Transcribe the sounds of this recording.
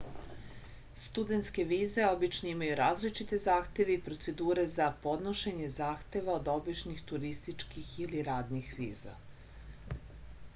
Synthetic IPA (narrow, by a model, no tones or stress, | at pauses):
st̪ud̪e̞nt̪ske̞ʋiːze̞o̞bit͡ʃnoimajuɾaːzlit͡ʃit̪e̞zaːxt̪e̞ʋeipɾo̞t̪se̞d̪uːɾe̞zapo̞d̪no̞ʃe̞ɲe̞zaːxt̪e̞ʋaod̪o̞biʃnixt̪uɾist̪it͡ʃkixiliɾaːd̪nixʋiːza̰